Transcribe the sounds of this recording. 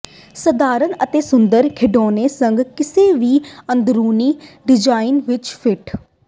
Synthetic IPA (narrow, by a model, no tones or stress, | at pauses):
səd̪aːɾənət̪eːsʊnd̪əɾkʰɪɖoːneːsəŋɡkɪseːʋiːənd̪ɾuːniːɖɪd͡ʒaːɪnʋɪt͡ʃpʰɪʈʰ